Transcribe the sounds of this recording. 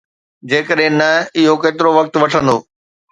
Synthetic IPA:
d͡ʑeːkəɗɦɪ̃nɐɪɦokeːt̪ɪɾoʋɐk̚t̪ʋɐʈʰə̃nd̪o̰ː

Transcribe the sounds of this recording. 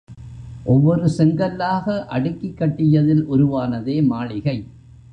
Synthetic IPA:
ʔɔʋːɔɾɯsɛŋɡɐlːaːɣɐʔɐɽɯkːɪkːɐʈːɪjɐðɪlʔʊɾʊʋaːnɐðeːmaːɭɪɣɐɪ

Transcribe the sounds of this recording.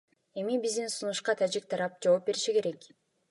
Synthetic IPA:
e̞mibizd̪insunuʃqɑt̪ʰad͡ʒik̚t̪ʰɑɾɑp̚d͡ʒoop̚be̞ɾiʃike̞ɾe̞k

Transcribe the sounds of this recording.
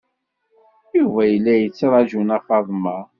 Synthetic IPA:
juvæjəlːæjət͡sːɾˤɑʒunɑfɑðˤmɑ

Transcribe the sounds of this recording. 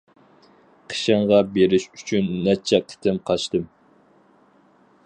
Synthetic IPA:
qʰə̥ʃɨɴʁɑbeɾɪʃy̥t͡ʃʰynːɛt͡ʃʰɛkʲʰɪ̥t̪ʰɪmqʰɑʃt̪ɨm

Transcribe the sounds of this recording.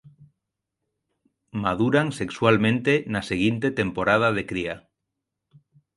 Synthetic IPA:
maðuɾaŋsekswalmẽnt̪enaseɣ̞int̪et̪empoɾað̞að̞ekɾia

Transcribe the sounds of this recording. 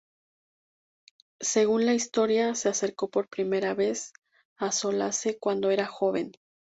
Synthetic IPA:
se̞ɣ̞unlaist̪o̞ɾjase̞ase̞ɾko̞po̞ɾpɾime̞ɾaβe̞s | aso̞la̰se̞kwand̪o̞e̞ɾaxo̞βe̞̰n

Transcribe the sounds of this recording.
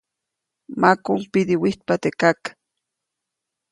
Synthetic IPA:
makumpid̪iwiht̪̚pat̪ekak

